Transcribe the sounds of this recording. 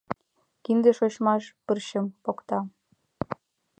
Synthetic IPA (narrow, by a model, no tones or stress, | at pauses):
kind̪ə̆ʃot͡ɕmɑʃpərɕə̆mpokt̪ɑ